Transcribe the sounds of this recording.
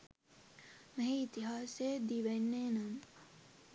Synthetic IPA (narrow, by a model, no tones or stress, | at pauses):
meɦeit̪iɦaːsed̪iʋenːeːnam